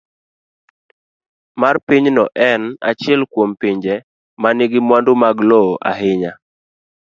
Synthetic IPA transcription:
marpiɲnɔʔɛna̰t͡ʃɪɛlkwompiɲd͡ʒɛ | manɪɡɪmwandʊmaɡlɔʔa̰ɦɪɲa

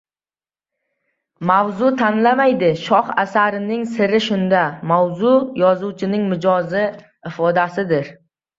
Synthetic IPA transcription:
mawzʊt̪ʰanlamajd̪ɪʃɒhasaɾɪnɪŋsɪɾɪʃʊnd̪amawzʊjɒzuwt͡ʃʰɪnɪŋmɪd͡ʒɒzɪ | ɪfɒd̪asɪd̪ɪɾ

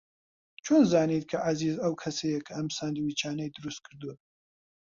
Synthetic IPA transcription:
t͡ʃʰoːnzaːnit̪̚kʰɐʔazizɐwkʰɐsɐjɐkʰɐɐmsaːnd̪ɨwit͡ʃʰaːnɐjd̪ɨɾust̪̚kʰɨɾd̪u

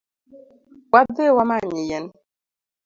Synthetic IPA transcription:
wadewamaɲijɛn

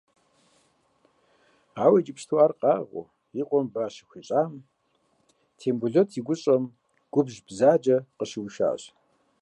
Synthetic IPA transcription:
aːwɐd͡ʒɪpʃtʰwaːrqʼɑːʁʷʊ̰ | iqʷʼɔmbaːɕɪ̥xʷiɕʼaːm | tʰeːmbuɮotʰiɡʷʊɕʼɐm | ɡ̥ʷʊbʑbzaːd͡ʒɐqəɕɪwʃa̰ːɕ

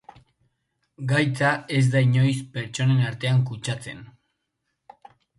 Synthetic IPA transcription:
ɡajt͡sae̞zd̪aiɲo̞jspe̞ɾt͡ʃo̞ne̞naɾt̪e̞aŋkut͡ʃat͡se̞̰n

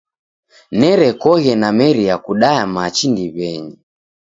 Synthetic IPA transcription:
nɛɾɛkɔɣɛnamɛɾijakuɗaamat͡ʃindiβɛɲi

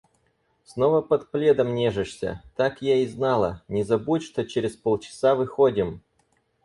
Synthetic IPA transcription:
snovəpɐt̪plʲe̞d̪əmnʲeʐɨʂsʲə̰t̪akjaiznɑlˠə̰nʲɪzɐbutʲʂt̪o̞t͡ɕeɾʲɪspolˠt͡ɕɪ̥savɨxodʲɪm

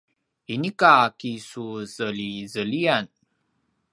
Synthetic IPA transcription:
inikakisuzəlizəlian

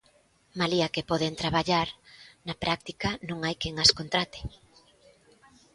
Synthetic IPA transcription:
maliakepɔð̞ent̪ɾaβaʎaɾnɐpɾʔak̚t̪ikɐnõŋajkeŋaskont̪ɾat̪e̥

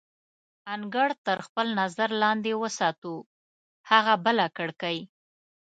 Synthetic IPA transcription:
aŋɡaɽt̪əɾxpəlnazaɾlɑnd̪ewəsɑt̪u | haɣabəlakəɽkaj

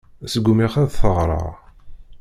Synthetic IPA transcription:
səɡːumiχæðθəʁɾˤɑ̰ʁ

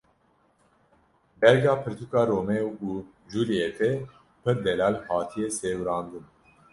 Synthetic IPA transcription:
bɛɾɡɑːpʰɨɾt̪ʰukɑːɾoːmɛuː | d͡ʒuːlijet̪ɛ | pʰɨɾd̪ɛlɑːlhɑːt̪ʰijɛseːwɾɑːnd̪ɨn

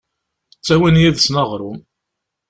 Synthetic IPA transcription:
t͡sːæwinjæðsnəʁɾˤʊm

